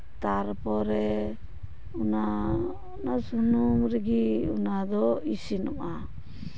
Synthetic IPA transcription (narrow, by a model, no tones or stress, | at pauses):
t̪aɾpɔɾɛ | una | unasunumɾiɡiunad̪ɔisinɔ̰ma